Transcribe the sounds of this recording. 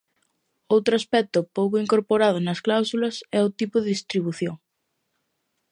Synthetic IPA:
owt̪ɾoaspɛk̚t̪ʊpowkʊiŋkoɾpoɾað̞ʊnɐsklawsulɐsɛʊt̪ipʊðɪðist̪ɾiβ̞uθjoŋ

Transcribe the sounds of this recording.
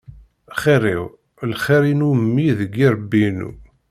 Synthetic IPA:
χirḭʁ | lχiɾinumːiðəɡːiɾˤəbːinṵ

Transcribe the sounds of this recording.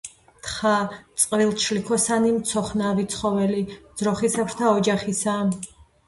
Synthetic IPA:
t̪ʰχat̪sʼqʼvilˠt͡ʃʰlikʰɔsanimt̪sʰɔχnavit̪sʰχɔvɛlid̪z̥ɾɔχisapʰɾt̪ʰaɔd͡ʒaχisa

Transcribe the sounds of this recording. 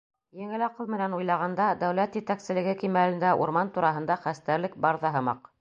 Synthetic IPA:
jɘ̆ŋɘlɑqɤlˠmɘ̆nænujlˠɑʁɑnd̪ɑd̪æwlæt̪jɘ̆t̪æksɘ̆lɘ̆ɡɘkimælɘ̆nd̪æʔṵɾmɑnt̪uɾɑɦɤ̆nd̪ɑχæst̪æɾlɘk̚bɑɾðɑɦɤ̆mɑ̰q

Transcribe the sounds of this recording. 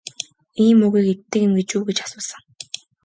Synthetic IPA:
iːmːɵɣiːket̪ːɘ̆kĕmɡet͡ɕuːɡet͡ɕḁsʊːsə̆ŋ

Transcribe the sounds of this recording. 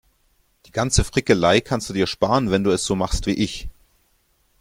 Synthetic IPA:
d̥iːɡant͡səfʁ̥ɪkəlaɪkʰanstd̥uːdiːɐʃpaːʁənvɛnduːɛsz̥oːmaχstv̥ḭːʔɪç

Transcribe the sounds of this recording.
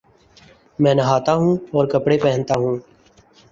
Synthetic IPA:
mɛ̃ːnəɦaːt̪aːɦũːɔːɾkəpɽepɛɦə̃nt̪aːɦũː

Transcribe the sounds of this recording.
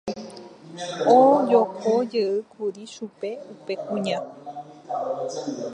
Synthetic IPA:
od͡ʒokʰod͡ʒeɨkʰuɾiʃupe̞upekũɲã

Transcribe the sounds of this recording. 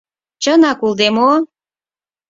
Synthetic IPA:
t͡ɕənɑkuld̪emo

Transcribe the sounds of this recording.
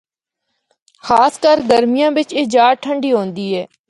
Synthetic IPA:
xaːskəɾɡəɾmɪjãːʋɪt͡ʃɪd͡ʒaːʈʰəɳɖiːɦõːnd̪iːɦɛː

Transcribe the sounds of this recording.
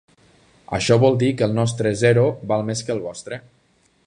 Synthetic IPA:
ə̰ʃɔβɔlˠd̪ikəlˠnɔs̬t̪ɾezɛɾobalˠmeskəlˠβɔst̪ɾe

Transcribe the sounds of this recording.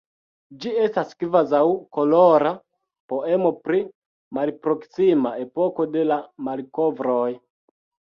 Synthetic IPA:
d͡ʒiestaskvazawkoloɾa | po̞e̞mo̞pɾi | malpɾo̞ksimae̞po̞ko̞de̞lamalkovɾoj

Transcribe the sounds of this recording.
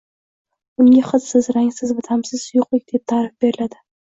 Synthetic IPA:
ʊŋɡʲaχɨzsɪzɾaŋsɪzvat̪ʰamsɪz̥sʊjʊqlˠɪkʲd̪̥ep̚t̪ʰaɾɪfb̥e̞ɾɪlad̪ɪ

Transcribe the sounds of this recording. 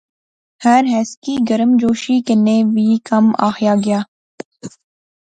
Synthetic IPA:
hɐɾɦɛːskiːɡɐɾəmd͡ʒoːʃikeneːʋiːkɐma̰ːxjaːɡɐjaː

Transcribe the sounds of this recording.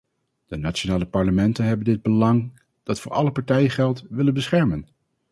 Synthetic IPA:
d̥ənat͡ʃonaːləpɑɹləmɛntənɦɛbəndɪd̚bəlɑŋ | d̥ɑtfʊːɹʔɑ̰ləpɑɹtɛjəχɛlˠtʋɪlənbəsχɛɹmən

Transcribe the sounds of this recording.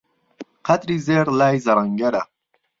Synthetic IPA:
qʰat̪ɾiːzeːɾlaːjzɐɾaŋɡɐɾɐ

